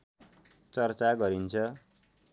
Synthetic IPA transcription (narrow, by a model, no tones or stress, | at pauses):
t͡sʌrt͡saɡʌɾint͡sʰʌ